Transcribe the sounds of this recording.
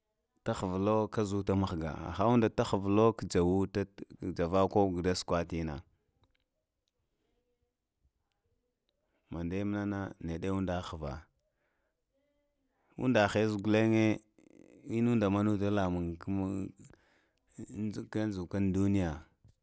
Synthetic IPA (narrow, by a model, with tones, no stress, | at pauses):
ta˦xə˨vlo˦ka˦zu˦ta˦ma˦xɡa̰˨a̰˨xa˦u˦nda˨ta˦xə˨vlo˦kd͡ʒa˨wu˦ta˦˨d͡ʒa˨va˦ko˦ɡda˦skwa˦ti˦na̰˨ | ma˨nda˦m˦na˦na˦ne˨de˦u˦nda˨˦xa˨va̰˨ | ṵ˦nda˨xe˦zu˨ɡu˨le˦ŋe˦ | i˦nu˦nda˨ma˦nu˦ta˦la˨mu˨ŋk | ka˦n˦zu˨ka˦ndu˦ni˦ja˨